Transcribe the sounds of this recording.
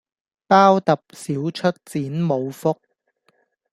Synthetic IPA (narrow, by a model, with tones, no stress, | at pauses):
paː˥wt̪ɐ˨p̚siː˨˥wt͡ʃʰɵ˥t̚t͡siː˨˥nmo˨˧wfʊ˥k̚